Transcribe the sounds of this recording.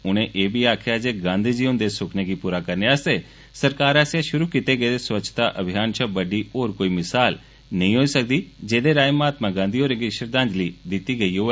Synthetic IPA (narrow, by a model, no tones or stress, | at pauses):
ʊɽ̃ẽʔeːbʱiaːkʰjad͡ʒeːɡãːnd̪ʱiːd͡ʒiːʊ̃nd̪esʊkʰneɡipuːɾakɐɾneaːse | sɐɾkaːɾaːsjaʃʊɾukɪt̪eɡəed̪eswət͡ʃʰt̪aʔɐbʱɪjaːnt͡ʃʰəbɐɖioːɾkoːimɪsaːl | nɐɦĩɦoːisɐk̚d̪id͡ʒeːd̪eɾaːjmaːt̪mãɡãːnd̪ʱiːoːɾẽɡiʃəɾd̪ãːɲd͡ʒlid̪ɪt̪iɡɐiɦoːɛː